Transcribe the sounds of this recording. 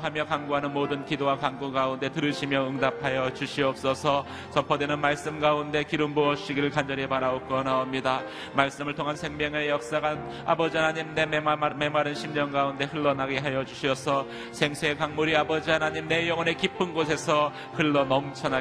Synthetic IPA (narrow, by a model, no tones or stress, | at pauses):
ɦamjʌkaŋɡoɦanɯnmodɯnkidowakaŋɡuɡaunde̞tɯɾɯɕʰimjʌɯŋdap̚ʰajʌt͡ɕuɕʰiʌp̚s͈ʌsʰʌ | sʌpʰʌdenɯnmaɭs͈ɯmɡaunde̞kiɾɯmboʌɕʰiɡiɾɯɭkand͡ʑʌɾepaɾaokɯʌnaomɲida | maɭs͈ɯmɯɭtʰoŋɦansʰe̞ŋmjʌŋejʌk̚s͈aɡan | a̰bʌd͡ʑiɦanaɲimne̞eme̞maɾɯnɕʰimɲʌnɡaunde̞hɯɭːʌnaɡeɦajʌd͡ʑuɕʰiʌsʰʌ | sʰe̞ŋsʰeekaŋmuɾiabʌd͡ʑiɦanaɲimne̞jʌŋʌne̞kipʰɯnɡos̬ʰe̞sʰʌ | hɯɭːʌnʌmt͡ɕʰʌna